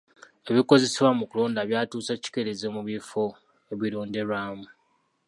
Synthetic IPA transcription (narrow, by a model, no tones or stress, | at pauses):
e̞βiko̞ze̞seβwamukuloːndaβjaːtuːsaci̥ke̞ɾezemuβifo̞ | eβiɾoːnde̞ɾwaːmu